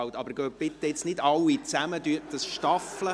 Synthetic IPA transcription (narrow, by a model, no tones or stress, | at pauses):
wt̪ɑbəɾɡ̥øːb̥ɪt̪əɪt͡snɪdɑlːit͡sæməd̪yəd̥əsʃtɑflə